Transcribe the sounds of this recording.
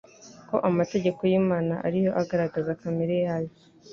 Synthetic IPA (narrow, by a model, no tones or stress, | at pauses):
ko̞̰ʔamate̞ɟe̞ko̞jiːmaːna̰ʔa̰ɾijo̞ʔaɡaɾaɡazakameɾejajo